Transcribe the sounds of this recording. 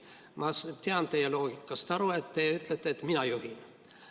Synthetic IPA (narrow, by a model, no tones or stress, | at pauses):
mɑst̪eɑnt̪ejeloːɡ̥ikːɑst̪ɑɾuet̪ːeyt̪let̪ːet̪minæjuhin